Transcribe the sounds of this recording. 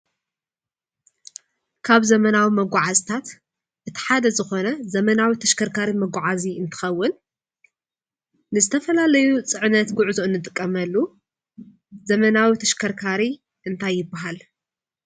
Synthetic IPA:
kʰaβzɐmɐnawimɐɡʷaʕazt̪ʰat̪ | ʔɨt̪ʰi̥ħad̪ɐzɨxo̞nɐzɐmɐnawit̪ʰɐʃkʰɐɾkʰaɾimɐɡʷaʕaziɨnt̪ʰɨ̥xɐwːʊn | nɨzɨt̪ʰɐfɐlalɐjut͡sʼɨʕnɐt̪ɡʊʕzoɨnːɨt̪ʼɨkʼːɐmɐlːu | zɐmɐnawit̪ʰɐʃkʰɐɾkʰaɾi | ʔɨnt̪ʰajːɪbːaɦal

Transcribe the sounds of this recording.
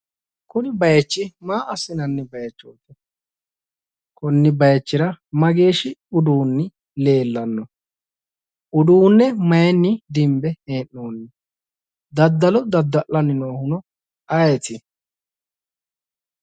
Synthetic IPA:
kʊnɪbɐjɐt͡ʃːɪmaːʔɐsːɪnɐnːɪbɐjɐt͡ʃːoːt̪ːɛ | kɔnːɪbɐjɐt͡ʃːɪɾɐmɐɡe̞ːʃɪʊd̪uːnːɪ | le̞ːlːɐnːɔ | ʊd̪uːnːɛmɐjɛnːɪd̪ɪmbɛheːnːoːnːɛ | d̪ɐd̪ːɐlɔd̪ɐd̪ːɐʔɐnːɪnoːhʊnɔ | ɐjɛt̪ɪ

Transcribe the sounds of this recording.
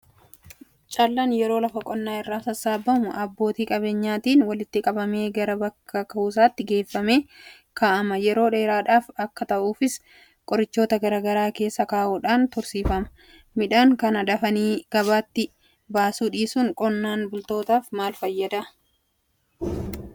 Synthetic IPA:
t͡ʃʼalːaːnjɛɾo̞ːlɐfɐkʼɔnːaːɪrːaːsɐsaːbːɐmʊʔɐbːo̞ːt̪iːkʼɐβe̞ːɲːaːt̪iːnwɐlɪt̪ːɪkʼɐbɐme̞ːɡɐɾɐbɐkːɐkɐuːs̬aːt̪ːɪɡe̞ːfːɐme̞ː | kaːʔɐmɐjɛɾo̞ːᶑe̞ːɾaːᶑaːfɐkːɐt̪ɐʔuːfɪs | kʼɔɾɪt͡ʃːo̞ːt̪ɐɡɐɾɐɡɐɾaːke̞ːsːɐkaːʔuːᶑaːnt̪ʊɾsiːfɐmɐ̥ | mɪᶑaːŋkɐnɐᶑ̪ɐfɐniːɡ̥ɐβaːt̪ːɪ | baːsuːᶑiːsʊŋkʼɔnːaːnbʊlt̪o̞ːt̪aːfmaːlfɐjːɐd̪ɐ

